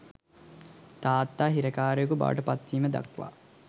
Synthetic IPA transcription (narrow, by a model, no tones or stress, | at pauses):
t̪aːt̪ːaːɦiɾəkaːɾejokuba̰ʋə̰ʈəpat̪ʋiːməd̪a̰kʋa̰